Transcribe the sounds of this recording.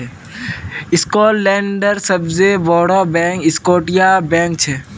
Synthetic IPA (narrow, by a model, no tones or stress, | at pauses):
ɛ | ɪskɔːlɛ̃ːɳɖəɾsɐbzeʋɔːɽaːbɛ̃ːkɪskoːʈijabɛ̃ːŋk̚t͡ʃʰɛ